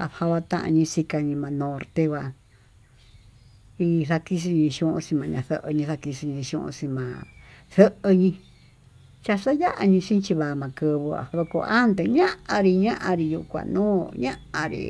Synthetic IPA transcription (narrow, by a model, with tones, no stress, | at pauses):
a˧βha˧wa˧t̪ã̰˦˧ʔã̰˧ɲĩ˧si˧ka˧ɲĩ˧mã˧nõ˧ɾt̪e˧kʷwa˧ | i˧θa˧ki˦˧ʂ̬i˧ɲĩ˧ʃũ˧˦ʔõ̰˧sĩ˧mã˨˧ɲã˧θə˧ʔə˧ɲĩ˧ða˧ki˧ʂi˧ɲĩ˧ʃṵ̃˧ʔõ̰˧sĩ˧mã˨˧θə˦ʔə˧ɲĩ˧ | t͡ʃa˧ʂa˦ja˦ʔa˧ɲĩ˧ʂĩ˦t͡ʃi˧βa˨˧mã˧˨kɨ˧βu˧a̰˨˧βko̰˧˨ʔa˦nd̪e˧ɲã˦ʔã˧ɾi˧ɲã˦ʔã˧ɾi˧ju˧kʷã̰˨˧nũː˦ɲã̰˦ʔã̰˧ɾḭ˧